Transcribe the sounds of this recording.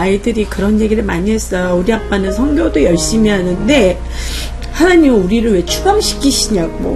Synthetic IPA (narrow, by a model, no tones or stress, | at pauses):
aidɯɾikɯɾʌnje̞ɡiɾɯɭmaɲiɦe̞s͈ʌjouɾiɦap͈anɯnsʰʌŋɡjodojʌɭɕ͈imiɦanɯnde̞ | hanaɲimɯuɾiɾɯɭwe̞t͡ɕʰuɡamɕʰi̥kʰiɕʰiɲaɡo̰